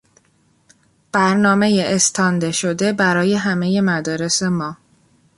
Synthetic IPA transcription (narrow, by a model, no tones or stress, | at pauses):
b̥æɾnɒːme̞jeest̪ʰɒːnd̪eʃod̪e̞bæɾɒːje̞ɦæme̞je̞mæd̪ɒːɾe̞se̞mɒː